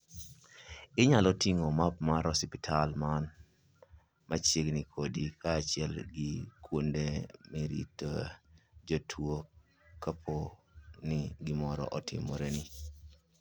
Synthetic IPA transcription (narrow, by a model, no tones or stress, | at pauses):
ɪɲalɔtiŋomapmaɾɔsɪpɪtʰalman | mʔat͡ʃeɡnikʰodikaːt͡ʃɪɛlɡɪkʰwondemiɾḭto | d͡ʒotʰwo | kːapʰonɪɡɪmɔɾɔ̰ʔɔtʰɪ̰mɔ̰ɾeni